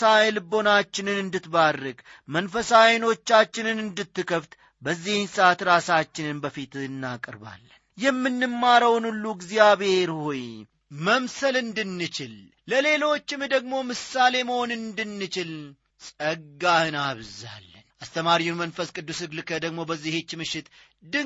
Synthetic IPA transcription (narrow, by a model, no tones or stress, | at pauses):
ajlɨbo̞nat͡ʃːɪnɨnɨnd̪ɨt̪barːɨɡmənfəsajno̞t͡ʃːat͡ʃːɪnɨnɨnd̪ɨt̪ːɨkʰəft̪ | bəzːihɪnsat̪ɾasat͡ʃːɪnɨnbəfit̪ɨnːakʼɨɾba̰lːənjɛmːɨnːɨmːaɾəwnulːuɡzjaβheɾhoj | məmsəlɨnd̪ɨnːɨt͡ʃɪl | ləle̞lo̞t͡ʃːɪmd̪əɡ̚mo̞mɨsale̞məho̞nɨnd̪ɨnːɨt͡ʃɪl | sʼəɡːahɨnaβza̰lːənʔast̪ʰəmaɾiunmənfəskʼɨd̪ːusɨɡlɨkʰəd̪əɡmo̞bəzːihet͡ʃːmɨʃːɪt̪ | d̪ɨ